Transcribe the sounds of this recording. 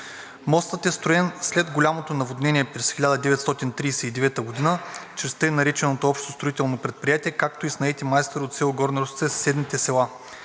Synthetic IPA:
mɔst̪ət̪ɛst̪ɾʊɛnslɛd̪ɡolʲamot̪onɐvod̪nɛniɛpɾɛsxilʲad̪əd̪ɛvɛt̪st̪ɔt̪int̪ɾiːsɛid̪ɛvɛt̪əɡod̪inət͡ʃɾɛst̪əɛnɐɾit͡ʃɛnot̪oɔpʃt̪ost̪ɾoit̪ɛlˠnopɾɛt̪̚pɾijat̪ʲiɛkak̚t̪oisnɐɛt̪imajst̪oɾot̪sʲɛlˠoɡɔɾnɐɾost̪sɛssɛd̪nit̪ɛsɛlˠa

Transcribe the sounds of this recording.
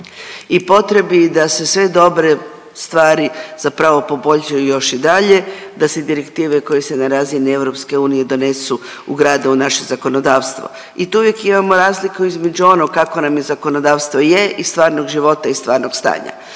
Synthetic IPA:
ipo̞t̪ɾe̞bid̪ase̞sʋe̞d̪o̞bɾe̞ | st̪ʋaːɾiz̥apɾaʋo̞po̞bo̞ʎʃajujo̞ʃid̪aʎe̞d̪ased̪iɾe̞kt̪iːʋeko̞jese̞naɾaːzinie̞ʋɾo̞pske̞uːnije̞d̪o̞ne̞su | uɡɾaːd̪aunaʃezako̞no̞d̪aːʋst̪ʋo̰ | it̪ouʋje̞kimamo̞ɾaːzlikuizme̞d͡ʒuo̞noɡkːako̞namjezako̞no̞d̪aːʋst̪ʋo̞jeʔist̪ʋaːɾnoɡʒiʋo̞t̪aist̪ʋaːɾnoɡ̥st̪a̰ːɲa̰

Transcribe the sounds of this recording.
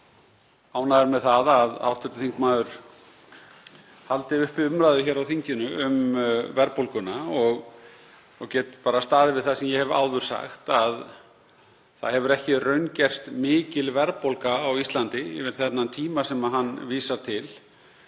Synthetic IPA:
aːwnaɛɾmɛðθaðaða̰wht̪ʏt̪ɪθiŋkmaːðʏɾ̥ | halt̪ɪʏhpɪʏmɾaːðɪçɛːɾawθiɲcɪnʏʏ̰mvɛɾpolkʏnaɔɣ | ɔɣcɛːt̪paːɾast̪aːðɪvɪðθasɛmjɛhɛva̰ːwðʏɾ̥sa̰xt̪að | θaðhɛvʏɾɛhcɪrœɥncɛr̥st̪mɪːcɪlvɛɾpowlkaːwist̪lant̪ɪɪ̰vɪɾ̥θɛt̪nant̪ʰiːmasɛmaðɦanːviːsaɾ̥t̪ʰɪl

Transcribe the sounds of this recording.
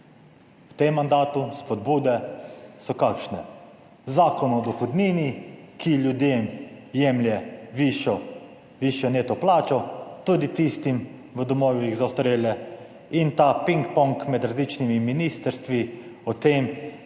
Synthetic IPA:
wt̪emːand̪aːt̪uspɔd̪buːd̪ɛsɔkakʃnɛ | zaːkɔnɔd̪ɔxɔd̪niːnikilʲjud̪eːmjɛmljɛʋiʃɔ | ʋiʃjɔneːt̪ɔplaːt͡ʃɔt̪ud̪it̪ist̪im | ʋəd̪ɔmɔːʋiɣzawst̪ɾeːlɛ | int̪apiŋkpɔŋkmɛd̪ɾazlit͡ʃnimiminist̪əɾst̪ʋiɔt̪em

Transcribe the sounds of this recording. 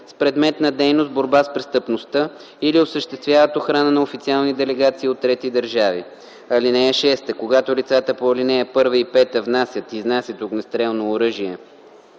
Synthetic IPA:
spɾɛd̪mɛt̪nɐd̪ɛjnost̪̚boɾbaspɾɛst̪əpnost̪ə | iliosəʃt̪ɛst̪vʲjavət̪oxɾanənɐofit̪sialˠnid̪ɛlɛɡat̪siːot̪ːɾɛt̪id̪əɾʒavḭ | ɐlinɛɛʃɛst̪əkoɡat̪olit̪sat̪əpoɐlinɛɛpɤɾvəipɛt̪əvnasʲjət̪iznasʲət̪uknɐst̪ɾɛlˠnoːɾɤʒiɛ

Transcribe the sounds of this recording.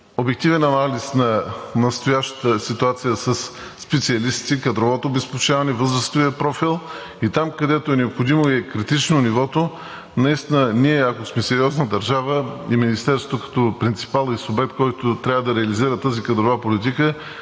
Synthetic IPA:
obɛk̚t̪ivɛnɐnalisnɐnɐst̪ojaʃt̪ə̥t̪əsit̪uat̪sijəsɐsː | pɛt̪siɐlist̪ikɐd̪ɾovɔt̪oːbɛspot͡ʃavɐnɛvɤzɾəst̪ovijəpɾɔfilˠ | it̪amkɐd̪ɛt̪oɛnɛopxod̪imoiɛkɾit̪it͡ʃnonivɔt̪o | nɐist̪inəniɛɐkosmɛsɛɾiɔznəd̪ɐɾʒavəiminist̪ɛɾsot̪okɐ̥t̪ɔpɾint̪si̥palˠisobɛk̚t̪̚kɔjt̪ʊt̪ɾʲavəd̪ɐɾɛɐliziɾət̪ːazikɐd̪ɾovapolit̪̬ikə

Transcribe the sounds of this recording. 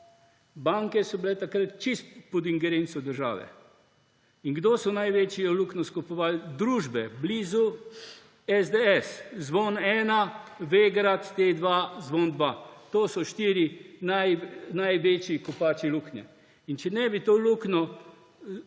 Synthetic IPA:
baŋkɛsɔbilɛt̪akɾət̪t͡ʃist̪pɔd̪iŋɡɛɾensɔd̪əɾʒa̰ːʋɛ̰ | inɡd̪oːsɔnajʋet͡ʃiɔluknɔskɔpɔʋald̪ɾuːʒbɛbliːzu | ɛzd̪eɛszʋonɛːnaʋeɡɾat̪ːed̪ʋazʋond̪ʋat̪oːsɔʃt̪iːɾinajnajʋet͡ʃikɔpat͡ʃiluknʲɛ̰ | int͡ʃɛnɛbit̪oːluknɔ

